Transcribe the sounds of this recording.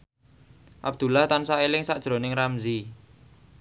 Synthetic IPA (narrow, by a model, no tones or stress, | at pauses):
ʔab̚d̪̥ṳlaht̪ansaelɪŋsaʔʒ̥ɾo̤nɪŋramzi